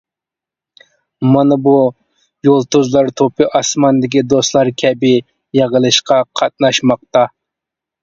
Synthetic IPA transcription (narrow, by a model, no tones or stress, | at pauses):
mɑnɨbu | jolˠt̪uzlˠɑɾt̪ʰopʰɨʔɑsmɑnd̪ɪkʲid̪ost̪lˠɑɾkʲʰɛbɪ | jeʁəlˠɨʃqɑqʰɑt̪̚nɑʃmɑq̚t̪ɑ